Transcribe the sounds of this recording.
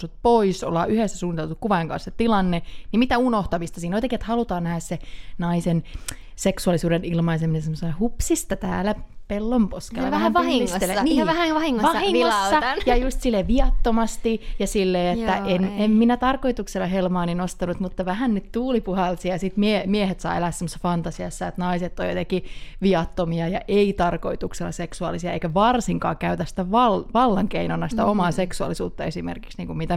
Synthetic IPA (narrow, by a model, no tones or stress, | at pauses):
sut̪̚poiso̰lːɑ̰ːʔyhesːæsuːnːit̪elt̪ukkuʋɑeŋkɑ̰nset̪ilɑnːenimit̪æunoht̪ɑʋist̪ɑsiːnoit̪ɑkiet̪hɑlut̪ɑːnæhæssenɑisen | seksuɑlisuːdenilmɑiseminesemːoselːhupsist̪ɑt̪æ̰ːlæpelːomposkellːɑæhæʋɑhiŋsoseenːʋæhæŋʋɑhiŋːoʋɑhiŋɑsːɑt̪njɑjust̪silːeʋiɑt̪ːomɑst̪ijɑsilːeːet̪ːæʔenemminæt̪ɑrkoit̪ukselːˑɑɦelmɑːninost̪ɑnut̪mut̪ːɑʋæhænnyt̪t̪uːlipuhɑlsiɑjɑsit̪miemiehet̪sɑ̰ːelæːsemːosːɑ̥fɑnt̪ɑsiɑsːɑet̪nɑiset̪ːo̰jo̰t̪ekiʋiɑt̪ːomiɑjɑʔeit̪ɑrkoit̪ukselːˑɑ̰seksuɑ̰lisiɑeikæʋɑrsiŋkɑ̰ːkæyt̪æsi̥t̪æʋɑlʋɑlːɑŋkeinonːɑsi̥t̪æomɑːseksuɑ̰lːisṵːt̪ːɑesimḛrki̥ksniːŋkummit̪æ